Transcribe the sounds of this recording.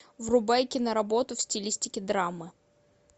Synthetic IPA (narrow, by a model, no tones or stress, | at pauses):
vrʊbajkʲɪnəɾɐbo̞t̪ʊfsʲtʲɪlʲisʲtʲɪkʲɪd̪ɾamːɨ